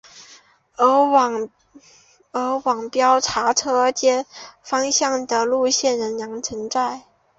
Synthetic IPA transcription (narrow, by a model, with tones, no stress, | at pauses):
ə˧˥wɑ˨˩ŋ | ə˧˥wɑ˨˩ŋpjɑ˥ʊʈ͡ʂʰa˧˥ʈ͡ʂʰɤ˥˧t͡ɕjɛ˥fɑ˥ŋɕjɑ˥˩ŋd̪ə˨lu˥˧ɕjɛ˥˩nɻə˧˥njɑ˧˥ŋt͡sʰə˧˥nt͡sa˥˩ɪ